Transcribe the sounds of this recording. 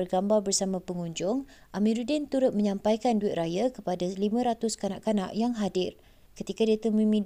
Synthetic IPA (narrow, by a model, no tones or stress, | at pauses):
ərɡambarbərsamãpəŋuɲd͡ʒʊŋʔamĩɾudɛnt̪uɾʊt̪̚mə̃ɲãmpajkanduɪt̪rajakəpadalimãɾat̪ʊskanaʔkana̰ʔjaŋɦadɪr | kət̪ikadet̪əmĩmĩ